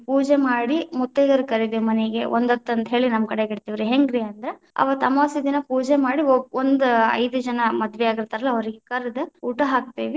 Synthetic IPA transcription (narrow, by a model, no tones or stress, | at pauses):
puːd͡ʒemaːɽimut̪ːeɡɐɾukɐɾid̪emɐneɡe̞ʔond̪ɐt̪ːɐnt̪ɐɦe̞ːɭinɐmkɐɽeɡiɽt̪iʋɾiɦeŋɡɾiɐnd̪ɐɾe | ɐ̰ʋɐt̪ɐmaːsid̪inɐpuːd͡ʒemaːɽiond̪ɐ̰jd̪ud͡ʒɐnɐmɐd̪ʋɛaːɡiɾt̪aːɾɐlːɐɐʋɐɾiɡekɐɾd̪ɐuːʈɐɦaːk̚t̪eːʋi